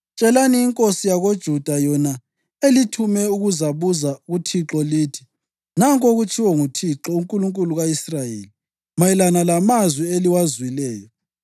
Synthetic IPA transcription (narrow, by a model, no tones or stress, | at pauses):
t͡ʃʼɛlaniːŋkʼosijaɣod̥ʒ̥ʱud̥ʱajɔna | elitʰumɛuɣuzaβuzaɣutʰiǁɔliːtʰi̥ | naŋkʼoɣut͡ʃʰiwɔŋutʰiǁɔuŋkʼuluŋkʼuluɣaisrajḛːli | majilanalamazwieliwazwilɛːjɔ